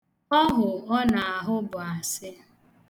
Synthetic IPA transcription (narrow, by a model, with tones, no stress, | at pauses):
ɔ˦ɦʊ˨ɔ˦na˨a˨ɦʊ˦bʊ˨a˨sɪ˦